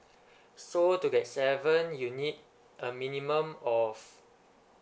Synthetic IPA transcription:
sotuɡɛt̚sɛvə̃njunid̚ | ʔəminimə̃mɔf

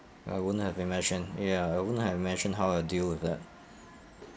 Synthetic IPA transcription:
a̰ɪwʊdⁿn̩hɨvɨmɛ̃ʃɨ̃njæaɪwʊdⁿn̩hɨvɪmɛ̃nʃɨ̃n̩dɦaʊaɪdilˠwɪðæt̚

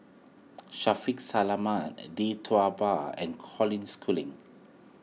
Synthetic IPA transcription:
ʃafiksalamãnditʰuabaɛ̰̃nkʰɔlĩnskʰulḭ̃ŋ

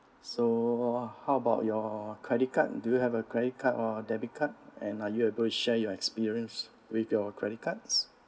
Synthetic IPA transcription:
so | haʊəbaʊt̚jɔkʰɹɛdit̚ka̰t̚dujuhɛvəkɹɛdit̚kʰatɔədɛbit̚kʰat̚ɛ̃najuebəltuʃɛjɔɛkspiɹiə̃ns | wiθjɔkʰɹɛɾit̚kʰat̚s

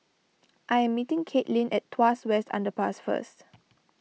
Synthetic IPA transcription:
ʔajɛ̃mːitĩŋkʰetlĩnʔɛttʰːwaswɛstʰã̰ndəpasfə̰st

